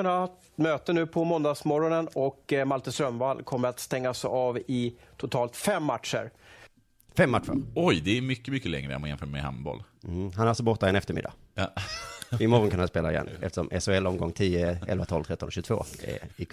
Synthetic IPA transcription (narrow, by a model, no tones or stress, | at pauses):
anaat̪møːt̪ənʉ̟ːpʰɔmɔnd̪ɑɡsmɔɾɔnənɔkmalt̪əsɾœmvalkʰɔmːəɾat̪st̪ɛŋːasɛɑːvɪt̪ʰʊt̪ʰɑːlt̪fɛmːat̪ʂə̰ɾ | fɛmːat̪ːʂə̰ɔjd̪ɛːmʏkːəmʏkːəlɛ̰ŋɾə̰manjɛnfœːɾmɛha̰mbɔ̰l̩ | ɦanɾalsɔbɔɾt̪ːaɛnɛft̪əɾmɪ̰d̪ːa̰ | ɪmɔɾɔnkʰanhanspeːlaɪ̰jɛ̰nʔɛ̰ft̪əʂɔ̰mʔɛsʊɛlːɔmɡɔŋːt̪ʰiːəɛ̰lvat̪ʰɔlvt̪ɾɛt̪ːɔnɔɕɵɡt̪ʰvo̰ːɪ